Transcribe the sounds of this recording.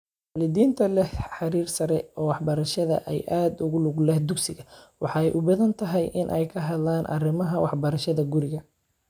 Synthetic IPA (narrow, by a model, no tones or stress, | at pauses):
waːlɪðiːnt̪ʰɐlɛhħɑɾiːrsɐɾɛɔːwɑħbɐɾɐʃɐðɐ̰ʔɛjʔaːd̪ʊɣʊlʊɣlɛhd̪ʊɡsɪɣɐwɑ̰ħɑːɛjʔʊbɐðɐnt̪ʰɐɦɛjʔɪnʔɛjkʰɐɦɐd̪laːnʔɐ̰rɪmɐɦɐwɑħbɐɾɐʃɐðɐɡʊɾɪɣɐ